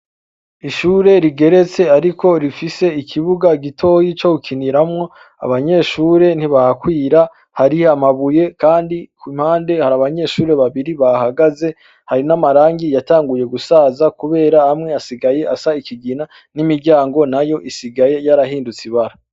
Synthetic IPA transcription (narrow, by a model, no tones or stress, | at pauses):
iʃuɾe̞ɾiɡe̞ɾe̞t͡se̞aɾikʰo̞ɾifise̞ikʰiβuɡaɡitʰo̞jit͡ʃohukʰiniɾamŋo̞ | a̰βaɲe̞ːʃuːɾe̞n̥iβahakwiːɾa | haɾihamaβuje̞kaːndikimhaːnde̞haɾaβaɲe̞ːʃuːɾe̞βaβiɾiβaɦaɡaze̞ | haɾinamaɾaːŋɡijataːŋɡuje̞ɡusaːzakuβe̞ːɾahːmŋe̞asiɡaje̞ʔasaikiɡina | nimiɾɟaːŋɡo̞najo̞ʔisiɡaje̞jaɾaɦiːndut͡siβaɾa